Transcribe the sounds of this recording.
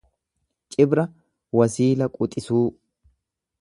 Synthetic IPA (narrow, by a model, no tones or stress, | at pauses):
t͡ʃʼɪbɾɐ | wɐsiːlɐkʼʊt̪ʼɪsuː